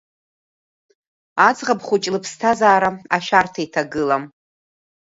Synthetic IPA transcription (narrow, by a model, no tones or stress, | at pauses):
ad͡zʼʁabχʷʊt͡ʃʼlɨpʰstʰazaːɾaaʃartʰaitʰaɡɨlam